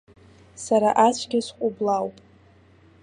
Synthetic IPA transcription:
saɾaʔat͡ʃʷʰɡʲɪsqʷʼʊblawpʼ

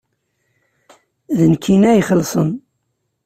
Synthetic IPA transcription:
ðənkʰːinæjχəlːsˤən

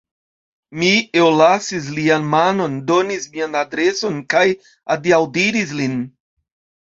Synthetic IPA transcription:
miewlasis̬lianmano̞ndo̞nismianadɾe̞so̞nkaj | adiawdiɾis̬lin

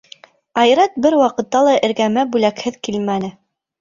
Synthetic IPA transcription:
ɑjɾɑt̪̚bɘɾwɑqɤ̆t̪ːɑlˠɑʔɘ̆ɾɡæmæbʉlækhɘðkilmænɘ

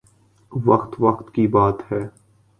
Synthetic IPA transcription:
ʋɐxt̪ʋɐqt̪kibaːt̪hɛː

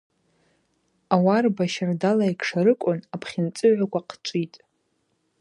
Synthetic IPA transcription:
awarbaʃardalaikʰʂaɾɨkʷʼʊnapʰχʲɪnt͡sʼɨʕʷakʷaqʰt͡ʃʷʼitʼ

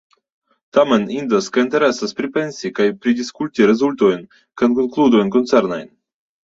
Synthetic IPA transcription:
t̪amenind̪əskəint̪ɛɾɛsəspɾipensʲikajpɾid̪iskulʲt̪ʲiɾɛzulʲt̪ojn | kənkoŋklˠud̪ujnkont̪sɛɾnajn

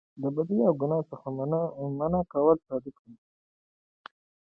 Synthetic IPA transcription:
d̪əbad̪iawɡʊnɑsəxamanakawəlsɑd̪ɪkd̪i

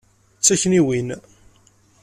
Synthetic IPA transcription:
t͡sːæçniwin

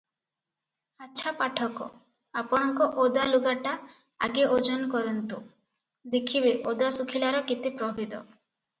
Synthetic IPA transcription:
aːʃʰapaʈʰɔkɔ̰ | apɔɽ̃ɔŋkɔʔod̪aluɡaʈa | a̰ɡeʔod͡ʒɔnkɔɾɔnt̪u | d̪ekʰibeʔod̪asukʰilaɾɔkit̪ipɾɔbid̪ɔ̰

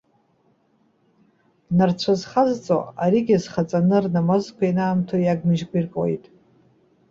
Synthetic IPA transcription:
nart͡sʷʰazχazt͡sʼo̰aɾiɡʲizχat͡sʼanɨrnamazkʷʰainaːmtʰojaɡmɨʒɡʷirkʼwḛjtʼ

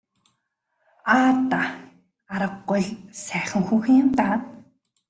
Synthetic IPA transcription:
aːt̪a | aɾə̆qːʊjɮsæːχʲɪ̆ŋxuːximt̪aːt̪

